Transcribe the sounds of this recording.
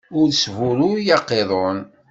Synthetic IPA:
ʊɾsvʊɾʊjɑqːeðˤon

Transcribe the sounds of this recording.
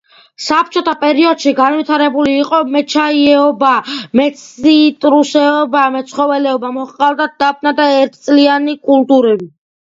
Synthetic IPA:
sap̚ʰt͡ʃʰɔt̪ʰapʼɛɾiɔd̪̥ʃiɡanvit̪ʰaɾɛbuliːqʼɔmɛt͡ʃʰaiɛɔbamɛt̪sʰit̪ʼɾusɛɔbamɛt̪sʰχɔvɛlɛɔbamɔχqʼald̪ad̪̥ap̚ʰnad̪aɛɾt̪ʰt̪sʼlianikʼulˠt̪ʼuɾɛbi

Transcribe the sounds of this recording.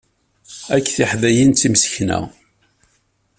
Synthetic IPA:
ækːθiħðæjint͡s̪ːimsə̥çnæ̰

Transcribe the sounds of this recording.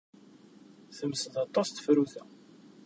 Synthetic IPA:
θəmsəθɑt̪ˤːɑst̪ə̥fɾuθæ

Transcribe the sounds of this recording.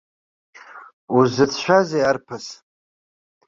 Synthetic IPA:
uzɨt͡sʰʃʷᶣazejarpʰas

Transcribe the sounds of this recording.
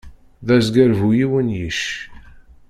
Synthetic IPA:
ðæzɡæɾvujiwənjiʃ

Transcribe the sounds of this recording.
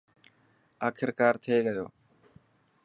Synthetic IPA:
aːkʰɪɾkaːɾt̪ʰeeɠɐjo̰ː

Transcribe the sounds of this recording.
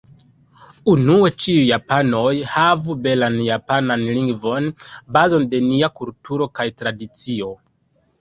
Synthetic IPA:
unue̞t͡ʃiujːapano̞jhavube̞lanjapananliŋɡvo̞nbazo̞nde̞niakultʰuɾo̞kajtɾadit͡sio̞

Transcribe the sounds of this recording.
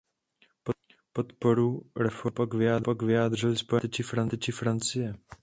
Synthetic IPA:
po | pot̪poɾuːɾɛfopakvɪjaːdpakvɪjaːd̪r̝ɪlɪspojɛt͡ʃɪfɾant̪t͡ʃɪfɾant͡sɪjɛ

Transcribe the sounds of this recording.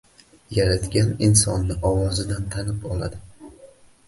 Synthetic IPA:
jaɾat̪ɡʲanɪnsɒnːɪʔɒwɒzɪd̪ant̪ʰanɪpɒlˠa̰d̪ɪ

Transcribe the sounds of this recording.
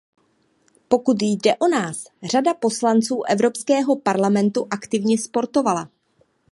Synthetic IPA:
po̞kut̪jdɛʔo̞naːs | r̝̥adapo̞slant͡suːʔɛvɾo̞pskɛːɦo̞paɾlamɛnt̪uʔakt̪ɪvɲɛspo̞ɾt̪o̞vala

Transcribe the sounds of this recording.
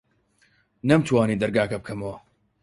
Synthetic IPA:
nɐmt̪ʰwaːniːd̪ɐɾɡaːkɐb̚kʰɐmɐwɐ

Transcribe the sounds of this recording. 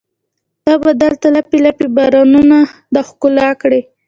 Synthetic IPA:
t̪ɑbad̪əlt̪alapilapibɑɾɑnunad̪axkʊlakɽe

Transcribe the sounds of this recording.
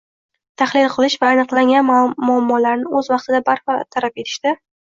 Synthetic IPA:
t̪ʰaχlɪlˠqʰɨlˠɪʃvaːnɨqlˠaŋʲanmʊamːɒlaɾnɪʔɵzvɑqt̪ɪd̪abaɾpɑt̪ʰaɾape̞t̪ʰɪ̥ʃt̪ɪ

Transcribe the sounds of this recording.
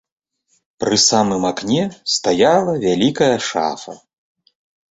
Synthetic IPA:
pɾɨsamɨmaknʲɛst̪ajalˠɐvʲalʲikɐjɐʂa̰fɐ̰

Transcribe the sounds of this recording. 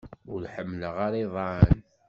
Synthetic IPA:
ʊɾħəmːləʁaɾiðˤɑʕən

